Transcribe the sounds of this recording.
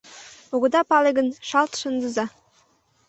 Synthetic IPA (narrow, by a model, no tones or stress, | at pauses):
oɣə̆d̪ɑpɑleɡə̆nʃɑlt̪ʃə̆nd̪ə̆zɑ